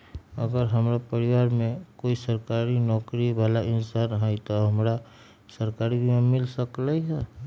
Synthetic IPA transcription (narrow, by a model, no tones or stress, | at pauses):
ə̰ɡəɾɦɐmɾapəɾɪʋaːɾmẽkoːisəɾkaːɾinɔːkɾibaːlaʔɪnsaːnɦait̪oɦɐmɾa | səɾkaːɾibʱimẽmɪlsəklaiɦɛː